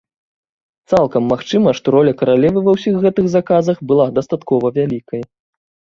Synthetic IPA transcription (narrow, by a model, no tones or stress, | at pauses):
t̪salˠkɐmːaxt͡ʂɨmɐʂt̪ɔɾɔlʲɐkɐɾalʲɛvɨvɐwsʲiɣɣɛt̪ɨɣzakazɐxbɨlˠad̪ɐst̪at̪kɔvɐvʲalʲikɐj